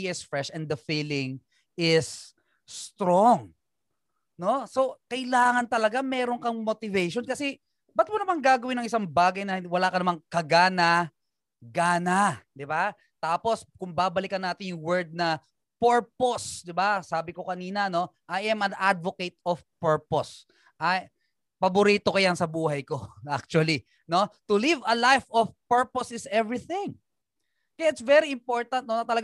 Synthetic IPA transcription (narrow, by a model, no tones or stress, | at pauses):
iʔɪsfɹɛʃɛnd̪ɐfiːlɪŋ | ʔɪsː | t̪ɾoŋ | no̞so̞kɐjlaːŋɐnt̪ɐlɐɡamɛːɾoŋkɐŋmot̪ɪvɛjʃonkɐsɛ | bɐt̪̚monɐmaŋɡaːɡɐwɪnɐŋʔɪsaŋbaːɡɐjnɐwɐlaːkɐnɐmaŋkɐɡaːnɐ | ɡaːnad̪ɪba | t̪aːpo̞skʊŋbaːbɐlɪkɐnːaːt̪ɪnjʊŋwɛɹd̪̚nɐ | pɛɹposd̪ɪbasaːbɪko̞kɐniːnɐno̞ʔajʔɛmɐnʔad̪̚voket̪̚ofpɛɹpos | ʔɐj | pɐbʊɾiːt̪o̞kɐjɐnsɐbuːhɐjko̞ʔak̚t͡ʃuwɐli | no̞t̪ʊlivɐlajfofpɛɹposɪsɛvɹiθɪ̃ŋ | kɐjaɪt̪svɛɾiɪmpoɹt̪ɐnt̪̚nonɐt̪ɐlɐɡ